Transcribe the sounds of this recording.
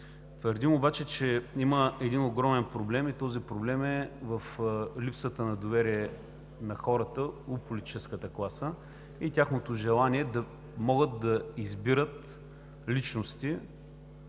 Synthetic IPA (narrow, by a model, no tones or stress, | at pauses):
t̪vəɾd̪imobat͡ʃɛt͡ʃɛiməɛd̪inoɡɾɔmɛnpɾoblɛmit̪ɔzipɾoblɛmɛvəflipsət̪ənɐd̪ovɛɾiɛ | nɐxɔɾət̪əopolʲit̪i̥t͡ʃɛskət̪əklˠasə | it̪ʲjaxnot̪oʒɛlˠaniɛd̪ɐ | mɔɡət̪̚d̪ɐizbiɾət̪ | lit͡ʃnost̪i